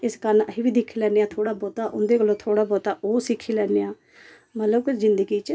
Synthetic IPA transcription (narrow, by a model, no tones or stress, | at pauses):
ɪskəɾnəɦiːʋiːd̪ɪkʰːiːlɛːneːãːt̪ʰoːɽaːbɔːt̪aːʔʊ̰nd̪eːkəlːõːt̪ʰoːɽaːbɔːt̪aːʔoːsɪkʰːiːlɛːneːãː | mət̪ləbkʊzɪnd̪əɡiːt͡ʃ